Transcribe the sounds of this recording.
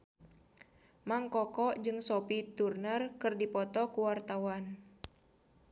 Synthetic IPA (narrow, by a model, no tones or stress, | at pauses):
maŋkɔkɔd͡ʒɨŋsɔpit̪urnərkɨrdipɔt̪ɔkuwart̪awan